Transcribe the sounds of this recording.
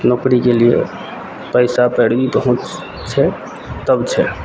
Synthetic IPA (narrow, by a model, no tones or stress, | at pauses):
nokɾikeliḛ | pəjsapəɽbipəɦũt͡ʃ | t͡ʃʰɛ | t̪əbt͡ʃʰɛ